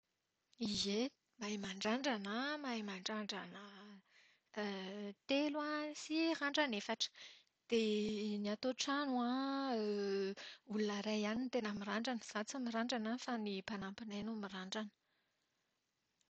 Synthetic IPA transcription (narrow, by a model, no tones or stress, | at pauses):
ize | maimaɳɖ͡ʐaɳɖ͡ʐanamaimaɳɖ͡ʐaɳɖ͡ʐanə | t̪elwasiraɳɖ͡ʐanefaʈ͡ʂə̥ | d̪̥eniat̪oʈ͡ʂanua | ulunəɾajanint̪enamiɾaɳɖ͡ʐanəz̥at͡samiɾaɳɖ͡ʐanafanipanampinajnumiraɳɖ͡ʐanə̥